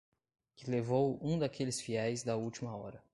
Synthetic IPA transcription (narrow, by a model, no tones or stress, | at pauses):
kɪlevowũd̪ɐkelɪsfiɛjzd̪ɐuwt͡ʃimɐɔɾɐ